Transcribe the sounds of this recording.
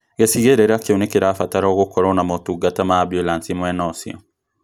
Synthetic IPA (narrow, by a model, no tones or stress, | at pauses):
ɡesiɣeɾeɾakeonekeɾaːfataɾaoɣokːɔɾɔnamotuɡatamabjolansimwɛnɔsḭo̰